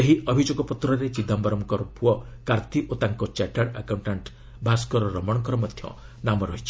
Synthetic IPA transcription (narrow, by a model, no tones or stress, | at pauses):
eɦiʔɔbʱid͡ʒoɡɔpɔt̪ɾɔɾet͡ʃid̪ʱambɔɾɔmkɔɾɔpuɔ | kaɾt̪iʔot̪aŋkɔt͡ʃaʈaɽakawɳʈaɳʈ | bʱaskɔɾɔɾɔmɔɽɔkɾɔmɔd̪ʱjɔ̰ | namɔɾɔɦit͡ʃʰi̥